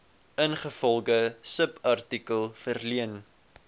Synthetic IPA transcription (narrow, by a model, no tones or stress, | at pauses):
ənχəfɔlˠɡəsəpʰɐrtikəlˠfərliən